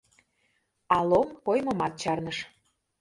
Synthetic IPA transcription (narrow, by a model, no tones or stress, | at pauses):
ɑlˠomkojmɤmɑt̪̚t͡ɕɑrnəʃ